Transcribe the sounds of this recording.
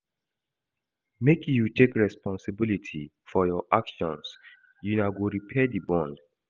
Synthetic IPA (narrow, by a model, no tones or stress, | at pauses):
mekjutʰekɹɛspɔ̃nsɪbilitʰi | fɔjɔʔakʃɔ̃ns | junaʊɡoɹipʰɛdibɔ̃nd